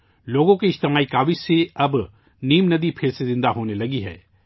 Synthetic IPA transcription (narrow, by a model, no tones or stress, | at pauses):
loːɡõkiɪd͡ʒt̪ɪmaːikaːʋiseɐb | niːmnɐd̪ipʰɪɾsezɪ̃nd̪aɦoːnelɐɡiɦɛ̰ː